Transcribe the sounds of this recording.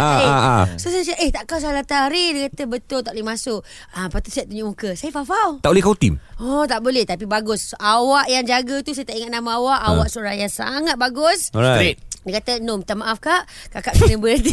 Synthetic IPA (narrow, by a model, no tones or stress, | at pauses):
aasosansaʔeht̪aʔkaws̬alat̪aɾidəkat̪əbət̪ʊlt̪aʔlimasʊʔ | əmpat̪usiaʔt̪uɲuʔmukəsajəfafalaʔbolɛhkawt̪ḭmɔt̪aʔbolɛht̪ap̬ibaɡʊsawaʔjaŋd͡ʒaɡət̪usajt̪aʔiŋat̪̚namaawaʔawaʔsoɾajaŋsa̰ŋat̪̚baɡʊsajdəkat̪ənomt̪amaʔafkaʔkakaʔkənəbət̪i